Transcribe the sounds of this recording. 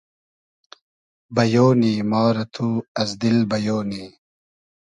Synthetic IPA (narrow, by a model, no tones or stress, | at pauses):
bɐjoːniːmɑːɾɐt̪ʰuɐzd̪ilbɐjoːniː